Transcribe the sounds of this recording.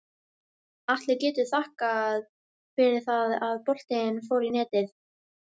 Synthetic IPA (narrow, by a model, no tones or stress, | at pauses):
aht̪lɪɾcɛːt̪ʏ̥θahkað | pɛːɾɪθaðaðpɔl̥t̪eɪnfoːwɾinɛːt̪ɪθ